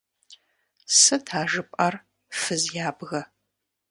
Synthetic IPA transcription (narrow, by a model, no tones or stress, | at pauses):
sɨtʰaːʒɨpʼɐr | fɨzjaːbɣɐ